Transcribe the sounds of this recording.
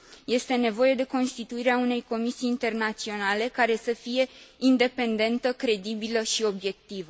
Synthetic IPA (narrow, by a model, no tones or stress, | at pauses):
je̞st̪e̞ne̞vo̞je̞d̪e̞ko̞nst̪it̪uiɾeaune̞jko̞misiːnt̪e̞rnat̪sio̞nale̞kaɾe̞səfije̞ind̪e̞pe̞nd̪e̞nt̪əkɾe̞d̪ibiləʃio̞bje̞k̚t̪ivə